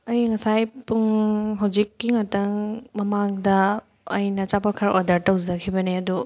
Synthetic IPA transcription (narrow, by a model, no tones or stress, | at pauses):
ɐjŋɐsajpuŋɦɐwd͡ʒikːiŋatɐŋmɐmaŋdɐː | jnɐt͡ʃapɐɾkʰaɾʔo̰dɐɾtɐwd͡ʒɐkʰibɐneɐdu